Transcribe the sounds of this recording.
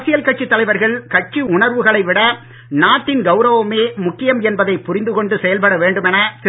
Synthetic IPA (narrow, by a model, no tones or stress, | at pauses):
sɪjɐlkɐʈ̚t͡ʃːit̪ːɐlɐɪʋɐɾɣɐɭkɐʈ̚t͡ʃːiʊɳɐɾʋɯɣɐɭɐɪʋɪɽɐ | naːʈːɪnɡɐʊɾɐʋɯmeːmʊkːɪjɐmɛnbɐðɐɪpʊrɪnd̪ɯkɔɳɖɯsɛjɐlpɐɽɐʋeːɳɖɯmɛnɐt̪